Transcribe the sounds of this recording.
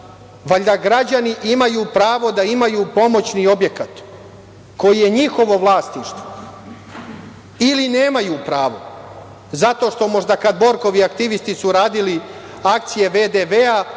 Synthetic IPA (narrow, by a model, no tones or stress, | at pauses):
ʋaʎd̪aɡɾad͡ʑaniʔimajuːpɾaːʋo̞d̪aimajuːpo̞mo̞t͡ɕnio̞bje̞kat̪ | ko̞jije̞ɲixo̞ʋo̞ʋlˠaːst̪niʃt̪ʋo̥ | iline̞ːmajuːpɾaːʋo̞̰ | zat̪o̞ʃt̪o̞mo̞ʐd̪akad̪bo̞ɾko̞ʋiakt̪iʋist̪isuɾaːd̪ili | akt̪sije̞ʋed̪eʋea